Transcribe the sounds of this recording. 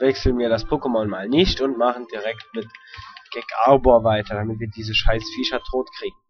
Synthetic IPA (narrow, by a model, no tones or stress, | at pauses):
vɛksl̩ənviːɐɾaspʰoːkəmɔnmaːlnɪçtʊntmaχn̩diʁɛktmɪtɡ̥ɛkʰaɐboːɐvaɪtɐdamɪtviːɐdiːzəʃaɪsfiːʃɐtʰoːtkʁ̥iːɡŋ̩